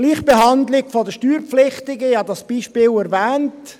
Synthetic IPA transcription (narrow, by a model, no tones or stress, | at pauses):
liːχb̥eɦɑndlɪɡfɔdəʃtyːɾpflɪχtɪɡəɪhɑdɑsb̥iːʃpɪːlɛɾvɛːnt